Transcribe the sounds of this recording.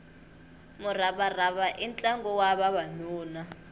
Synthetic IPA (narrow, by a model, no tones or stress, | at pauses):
mʊraβaraβaʔint͡ɬʼaŋɡɔwaβaβanuːna